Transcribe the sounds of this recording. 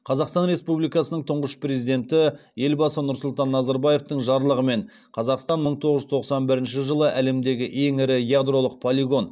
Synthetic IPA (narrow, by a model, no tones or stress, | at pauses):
qʰɑzɑqst̪ɑnɾe̞spublijkɑsənəɴt̪ʰʊɴʁəʃpre̞zijd̪e̞nt̪ɪje̞lbɑsənʊɾsʊlˠt̪ɑnːɑzɑɾbaje̞ft̪əɴʒɑɾlˠəʁəme̞ɴ | qʰɑzɑqst̪ɑnməɴt̪ʰo̞ʁəʒʏzt̪ʰo̞qsɑnbɪɾɪnʃɪʒəlˠəʔæle̞md̪e̞ɡʲɪʔe̞ŋɪɾɪjad̪ro̞lˠəq̚pʰolʲiɡo̞n